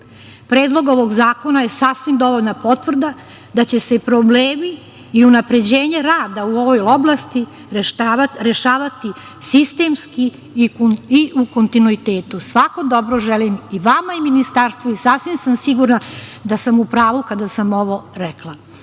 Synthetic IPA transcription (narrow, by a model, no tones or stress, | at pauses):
pɾe̞ːd̪lˠo̞ɡo̞ʋo̞ɡzaːko̞naje̞sasʋimd̪o̞ʋo̞ʎnapo̞t̪ʋr̩d̪a | d̪at͡ɕe̞se̞pɾobleːmiː | unapɾe̞d͡ʑe̞ːɲeɾaːd̪auo̞ʋo̞joblˠast̪i | ɾaɾe̞ʃaːʋat̪i | sist̪emski | iʔukont̪inuit̪e̞ːt̪usʋako̞d̪o̞bɾo̞ʒelimiʋamaiminist̪aːɾst̪ʋoisasʋimsamsiɡuɾnad̪asamupɾaːʋukad̪asamo̞ʋo̞ɾeklˠa